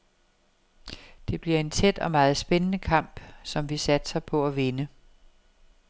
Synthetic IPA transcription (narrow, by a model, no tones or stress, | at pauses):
d̥e̝b̥liɐe̝nt͡sʰed̥ɒ̽mɑ̈ːð̞̩ˠsb̥enənəkʰɑ̈m̰b̥sɒ̽mʋisæd̥sɐpʰɒ̽æʋe̝nə